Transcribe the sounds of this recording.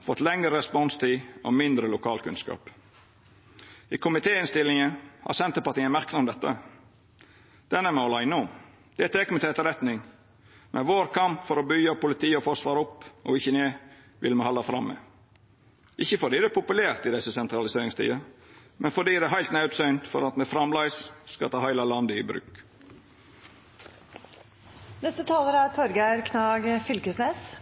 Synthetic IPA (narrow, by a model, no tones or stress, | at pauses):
fɔt̪ːlɛŋəɾəɾɛspɔnst̪ʰiːʔɔ̰mɪnd̪ɾəlʊkʰɑːlkʰʉ̰nskɑ̰ːp | ɪːkʰʊmɪt̪ʰeːɪnst̪ɪlːɪŋəhɑ̰ɾsɛnt̪əpɑɾt̪iːænmæɾknʊmd̪ɛt̪ːə | d̪̥ɛnæɾmɛɔlɑɪnʊm | d̪̥ɛæt̪ʰeːkmɪt̪eːt̪əɾɛt̪nɪŋ | mɛ̰nʋoːɾkʰɑmpfɔɾɔbʏɡɑpʰʊlɪt̪ʰiːəɔfɔʂʋɑːɾʊpːʔɔ̰ɪçːəneː | ʋʔɪ̰lmɛhɑlːɑfɾɑmːɛ̰ | ʔɪçːəfɔɖiːd̪ɛpʰʊpʉlæːɾt̪ɪd̪ɛsːəsɛnt̪ɾɑlɪseːɾɪŋst̪ʰḭːɑmɛnfɔɖiːd̪ɛɦæɪlt̪nɑʉt̪sœʏnt̪fɔ̰ɾɑt̪mɛfɾɑmlɑɪsskɑ̰t̪ʰɑːhæɪlɑlɑnd̪əɪbɾʉ̰ːk | nɛst̪ət̪ʰɑːləɾæt̪ʰɔɾɡæɪɾkʰnɑːɡfʏlkəsneːs